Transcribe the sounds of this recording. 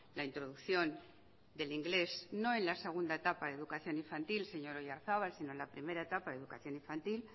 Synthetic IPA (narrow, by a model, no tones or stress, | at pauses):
laint̪ɾo̞ðukθjo̞n | d̪e̞liŋɡle̞sno̞e̞nlase̞ɣ̞und̪aet̪apaðeðukaθjo̞niɱfant̪ilse̞ɲo̞ɾojaɾθaβalsino̞enlapɾime̞ɾaet̪apaðeðukaθjo̞niɱfant̪il